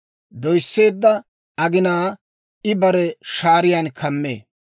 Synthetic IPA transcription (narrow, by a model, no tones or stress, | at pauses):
d̪ɔjsːe̞ːd̪ːɐ | ɐɡɪnaː | ɪbɐɾɛʃaːɾɪjankʰɐmːḛː